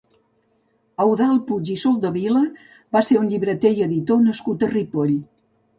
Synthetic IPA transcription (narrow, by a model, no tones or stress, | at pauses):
əwðalˠpud͡ʒisolˠd̪əβilə | baseunʎiβɾət̪ejəðit̪onəskut̪əripoʎ